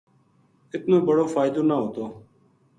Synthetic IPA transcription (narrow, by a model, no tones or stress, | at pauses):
ɪt̪nõːbəɽoːfaːɪd̪õːnaːɦoːt̪oː